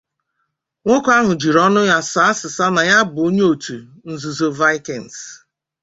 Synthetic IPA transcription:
ŋʷo˦kʷa˦ɦʊ˨d͡ʒi˨ɾɔ˦nʊ˦ja˦sa˨˦a˦sɪ˨sa˦na˨ja˦bʊ˨o˦ɲe˦o˨tu˨ | n̩˨zu˨zo˨va˦ɪ˦kɛ˨n̩˨s

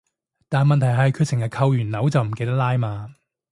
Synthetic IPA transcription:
t̪aː˨nmɐ˨nt̪ʰɐ˨˩jɦɐ˨jkʰyː˧t̚sʰɪ˨˩ŋjɐ˨˩kʰɐ˧wjyː˨˩nɐ˨˥wt͡sɐ˨wm̩˨˩ke˧jt̪ɐ˥k̚laː˥jmaː˧

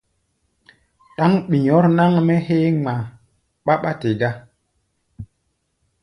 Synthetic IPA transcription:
ɗa˦ŋɓi˨ɲɔ˨˦ɾna˦ŋmɛ˦he˦ŋ͡ma˨ | ɓa˦ɓa˦te˨ɡa˦

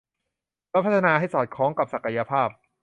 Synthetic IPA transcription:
pɛ˦˥pʰa˥t̪ʰːa˧naː˧ɦa˥˩jsɔː˨˩t̪̚kʰɔː˩˦ŋka˨˩p̚sa˨˩ka˧ja˧pʰaː˥˩p̚

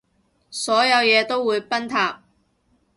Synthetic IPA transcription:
sɔː˨˥jɐ˨˧wjɛː˨˧t̪o˥wːuː˨˧jpɐ˥nt̪ʰaː˧p̚

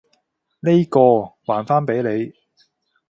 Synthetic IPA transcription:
ne˥jkɔː˧waː˨˩nfaː˥npe˨˥jle˨˧j

